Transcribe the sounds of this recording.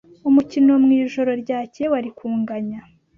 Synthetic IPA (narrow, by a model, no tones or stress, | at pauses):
umucino̞mŋiːʒo̞ɾo̞ɾɟaːce̞waɾikuːŋɡaɲa